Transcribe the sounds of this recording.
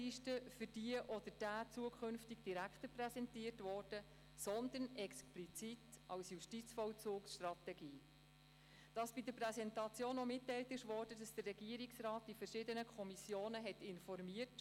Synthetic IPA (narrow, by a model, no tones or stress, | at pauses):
iʃtəfyɾd̥iəʔɔd̪əɾd̥æːt͡suəkʰʏnftɪɡd̥iɾækχtəprɛsɛntiːərtvɔːrd̥ə | sɔnd̪ənɛksplit͡sitɑwsjuʃtit͡sfɔwt͡suːksʃtrɑt̪ɛɡiː | d̥ɑsb̥idəpɾɛsɛntɑt͡sjoːnɔmɪtːɛjltɪʃʋɔːɾd̥ədɑsd̥ərːɛɡiːəɾiksrɑːt̚d̥ifəɾʃɪdənəkʰɔmisjoːnəɦɛtɪnfɔrmiːət